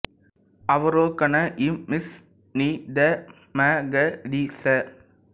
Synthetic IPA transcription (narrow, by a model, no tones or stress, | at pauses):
ɐʋɐɾoːkɐnɐʔɪmːɪs | nid̪ɐ | maɡɐɖiːsɐ